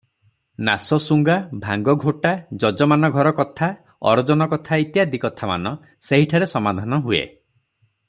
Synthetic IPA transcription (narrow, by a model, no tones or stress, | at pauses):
nasɔsuŋɡabʱaŋɡɔɡʱoʈad͡ʒɔd͡ʒɔmanɔɡʱɔɾɔkɔt̪ʰa | ɔ̰ɾɔd͡ʒɔnɔkɔt̪ʰait̪jad̪ikɔt̪ʰama̰nɔ | seɦiʈʰaɾesɔmad̪ʱanɔɦuḛ